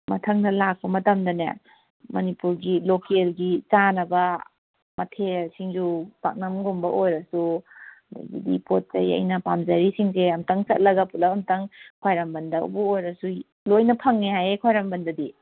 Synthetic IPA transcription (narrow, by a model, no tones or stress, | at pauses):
mɐtʰɐŋdɐlak̚pɐmɐtɐmdɐna̰ | mɐnipuɾɡilokelɡit͡ʃanɐbɐ | mɐtʰesiŋd͡ʒupa̰k̚nɐmɡumbɐʔojɾɐsu | da̰ɡḭdḭpot̚zɐ̰jɐ̰jnɐpamzɐɾisiŋs̬eɐmtaŋsɐt̚lɐɡɐpulɐpɐmtɐŋkʰwajɾambɐndɐṵbuojɾɐsu | lojnɐpʰɐŋnehajekʰwajɾambɐndɐdi